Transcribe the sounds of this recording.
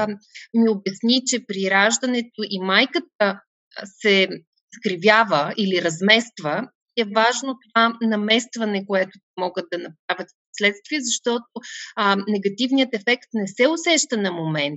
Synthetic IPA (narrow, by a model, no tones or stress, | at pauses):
miobɛsnit͡ʃɛpɾiɾaʒd̪ɐnɛt̪oʔimajkət̪̚ə | sɛ | skɾivʲjavəiliɾɐzmɛst̪və | iɛvaʒnot̪ovanɐmɛst̪vɐnɛkoɛt̪ʊ̥t̪ɛmɔɡəd̪̚d̪ːɐnɐpɾavʲət̪fposlɛt̪st̪viɛzɐʃt̪ɔt̪onɛɡɐt̪ivnijət̪ɛfɛkt̪nɛsɛʊsɛʃt̪ənɐmomɛnt̪